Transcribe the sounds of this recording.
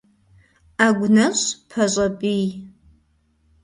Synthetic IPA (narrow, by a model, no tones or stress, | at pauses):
aɡʷnɐɕpʰɐɕʷʼɐbʼij